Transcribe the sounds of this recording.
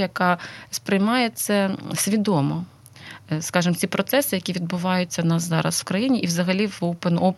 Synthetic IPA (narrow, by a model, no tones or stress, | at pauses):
jɐkɑspɾɪjmɑjet̪sʲɛsʲʋʲid̪ɔmɔ | skɑʒɨmt͡sʲipɾɔt̪sɛsɪjɐkʲiʋʲid̪̚bʊʋɑjʊt͡sʲːɐnɑszɑɾɐ̰swkɾɐjinʲiʔiʋzɐɦɐlʲiʋowpeno